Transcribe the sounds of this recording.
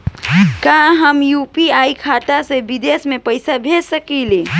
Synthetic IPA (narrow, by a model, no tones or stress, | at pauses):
kãɦəmjupiaikʰat̪asebid̪esmepəjsabʱesəkile